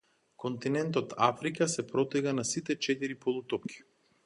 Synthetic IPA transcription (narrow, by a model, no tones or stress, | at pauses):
kɔnt̪inɛnt̪ɔt̪ʰa̰fɾikasɛpɾɔt̪ɛɡanasit̪ɛt͡ʃɛt̪iɾipɔlˠut̪ɔp̚kʰʲi̥